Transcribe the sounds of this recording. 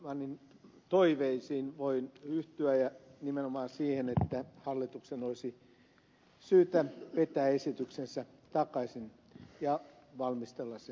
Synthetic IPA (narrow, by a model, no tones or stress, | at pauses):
ʋɑnin | t̪oiʋeisiːnʋoinyht̪yæjɑnimenomɑːsiːhenet̪ːæhɑlːit̪uksenoisi | syːt̪æʋet̪æːesit̪yksensæ | t̪ɑkɑisin | jɑ | ʋɑlmist̪elːɑsse